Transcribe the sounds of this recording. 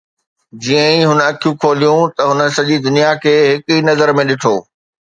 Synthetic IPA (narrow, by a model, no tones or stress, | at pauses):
d͡ʑiːə̃ĩɦʊnəɐkʰijũkʰoːlijũt̪ɐɦʊnə̆sɐʄid̪ʊnijakʰeːɦɪkʊiːnɐzəɾmẽɗɪʈʰoː